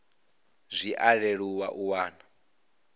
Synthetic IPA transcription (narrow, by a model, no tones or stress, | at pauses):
zʷiʔaɺeɺuwaʔuwaːna